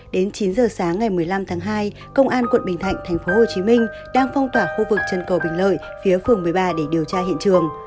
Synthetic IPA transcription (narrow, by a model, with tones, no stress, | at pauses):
ɗe˨˦nt͡ɕi˨˦nzəː˨˩saː˨˦ŋːa˨˩jmɨ˨˩əjla˧mt̪ʰaː˨˦ŋɦaː˧j | kə˧wŋ͡mʔaː˧nkwə̰˧˨nɓï˨˩ŋ̟t̪ʰa̰˧˨jŋ̟t̪ʰɛ˨˩jŋ̟fo˨˦ho˨˩t͡ɕi˨˦mï˧ŋ̟ | ɗaː˧ŋfa˧wŋ͡mt̪waː˧˩xu˧vɨ˨˩k̚t͡ɕə˨˩nkə˨˩wɓï˨˩ŋlə̰ː˧˨j | fi˨˦əfɨ˨˧˩əŋmɨ˨˩əjɓaː˧ɗe˧˩ɗi˨˩əwt͡ɕaː˧hḭ˧˨ə˨nt͡ɕɨ˨˩əŋ